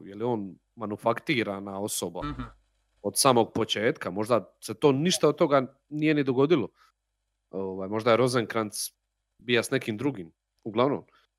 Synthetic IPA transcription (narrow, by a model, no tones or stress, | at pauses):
jelio̞ːn | manufakt̪iːɾanao̞soba | o̞d̪saːmo̞ɡ̚po̞t͡ʃe̞ːt̪kamo̞ʒd̪ase̞t̪o̞ːniʃt̪aod̪̚t̪o̞ɡa | nije̞nid̪oɡo̞d̪ilo̞ | oːʋaːjmo̞ʒd̪ajeɾo̞zeŋkɾant̪s | bijasnekimd̪ɾuɡim | uɡlˠaʋno̰m